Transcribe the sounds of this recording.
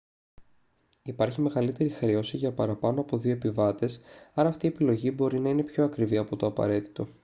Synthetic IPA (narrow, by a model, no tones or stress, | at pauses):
ipɐɾçime̞ɣɐlit̪e̞ɾixɾio̞siʝɐpɐɾɐpɐno̞ɐpo̞ðio̞epivɐt̪e̞sɐɾɐːft̪ie̞pilo̞ʝibo̞ɾinɐine̞pço̞ɐkɾiviɐpo̞t̪o̞ɐpɐ̰ɾe̞t̪i̥t̪o̞